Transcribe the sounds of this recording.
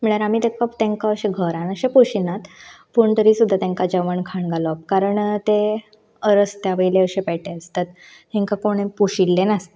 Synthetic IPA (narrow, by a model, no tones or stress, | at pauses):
m̤əɭ̃aɾamiːt̪ekəpt̪ẽŋkaəɕẽɡʱəɾãnəɕepuɕinat̪ | puɳt̪əɾiːsud̪ʱːat̪ãŋkad͡ʑəʋəɳkʰaɳɡalɔp̚kaɾəɳt̪e | əɾəst̪jaʋəjleəɕẽpɛʈeəst̪at̪ | hẽŋkakoɽ̃ẽpuɕilːenas